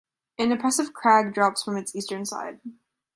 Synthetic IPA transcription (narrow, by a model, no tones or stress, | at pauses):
ʔɨ̃nɨpʰɹ̥ɛsɨv̥kʰɹ̥æɡ̚dɹɑpsfɹʌ̃mɨtsistə̃˞nsa̰ɪd̥̚